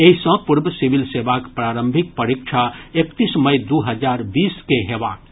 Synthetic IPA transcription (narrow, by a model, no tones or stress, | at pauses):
eisə̃puɾbəsiʋilseːʋakpɾaɾəmbʱik̚pəɾikt͡ʃʰaekt̪isməjd̪uɦəd͡ʒaːɾbiːskeɦeʋa̰ːk